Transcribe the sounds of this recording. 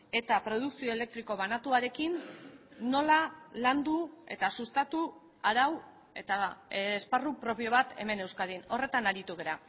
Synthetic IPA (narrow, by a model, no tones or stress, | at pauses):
e̞t̪apɾo̞ðuksio̞e̞le̞k̚t̪ɾiko̞βanat̪uaɾe̞kinː | o̞laland̪ue̞̰t̪asust̪at̪u | aɾaw | e̞t̪asparupɾo̞pio̞β̞at̪e̞̰me̞ne̞wskaðino̞re̞t̪anaɾit̪uɣ̞eɾa